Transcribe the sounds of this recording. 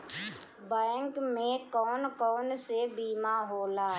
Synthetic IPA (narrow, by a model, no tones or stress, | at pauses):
bɛ̃ŋkmẽkɔːnkɔːnsebiːmaɦoːlaːɦ